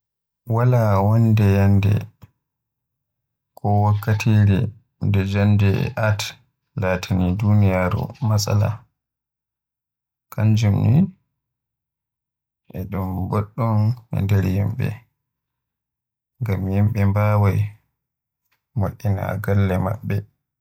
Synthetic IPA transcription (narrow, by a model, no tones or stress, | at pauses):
walawɔndɛjandɛ̰ | kɔwakːatiɾɛ | ndɛd͡ʒandɛ̰ʔat | latʰanidunijaɾṵmasa̰la̰ | kʰaɲd͡ʒumni | ʔɛɗumboɗːɔnɛ̰ndɛɾjimɓɛ̰ | ŋɡamjimɓɛmbawaj | moɗːina̰ɡalːɛma̰ɓːɛ